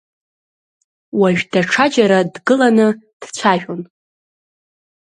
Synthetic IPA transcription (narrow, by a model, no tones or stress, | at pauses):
waʒᶣdaʈ͡ʂʰad͡ʒaɾadɡɨlanɨd̥t͡ɕʷʰaʒᶣon